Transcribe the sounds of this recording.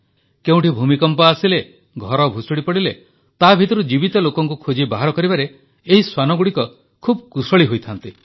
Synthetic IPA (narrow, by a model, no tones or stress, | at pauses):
keuw̃ʈibʱumikɔmpɔasile | ɡʱɔɾɔbʱusɔɽipɔɽile | t̪abʱit̪ɔɾud͡ʒibit̪ɔlokɔŋkukʰud͡ʒibaɦaɾɔkɔɾibaɾe | eɦiswanɔɡuɽikɔ | kʰubkusɔɭiɦojt̪ʰant̪i